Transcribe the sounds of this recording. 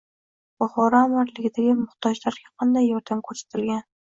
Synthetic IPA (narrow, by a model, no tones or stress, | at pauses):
b̥ʊχɒɾamaɾlɪɡʲɪd̪aɡʲɪmʊχt̪ʰɒd͡ʒlaɾɡʲaqʰɑnd̪ajːɒɾd̪amkʰɵɾsḁt̪ʰɪlɡʲan